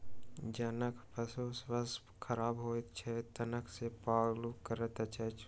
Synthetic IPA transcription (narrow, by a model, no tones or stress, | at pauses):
d͡ʒɐnəkpʰəsosʋəs | kʰəɾaːbɦoːt̪t͡ʃʰɛt̪ɐnəkʰsepaːɡlukəɾət̪ət͡ʃʰɛt͡ʃʰ